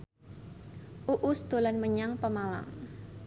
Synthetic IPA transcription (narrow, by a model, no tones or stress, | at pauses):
ʔuʔʊsd̪̥olanməɲaŋpəmala̰ŋ